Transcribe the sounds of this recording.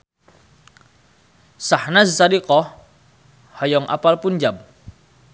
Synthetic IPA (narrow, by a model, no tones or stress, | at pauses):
sahnazsadikɔh | hajɔŋʔa̰palpund͡ʒam